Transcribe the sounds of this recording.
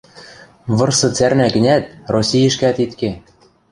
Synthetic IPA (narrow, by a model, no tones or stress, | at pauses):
βɤ̆rsɤ̆t͡særnækɘ̆nʲæt̪̚rosʲijɘ̆ʃkæt̪it̪ke